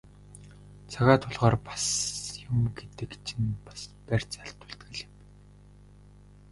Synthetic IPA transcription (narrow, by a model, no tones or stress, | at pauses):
t͡sʰaɣaːt̪ʰʊɮʁɔːrpḁsjʊmɡet̪ɘ̆kt͡ɕʰɪ̆npḁspær̥ʲt͡saɬt̪ʊ̥ɬt̪ɡɘ̆ɮɪ̆m